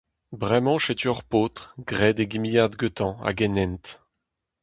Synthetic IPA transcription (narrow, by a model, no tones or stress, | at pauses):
bʁɛmɑ̃ʃet̪yœʁpot̪χɡʁɛd̪eɡimijad̪ɡøt̪ɑ̃a̰ɡɛnɛnt̪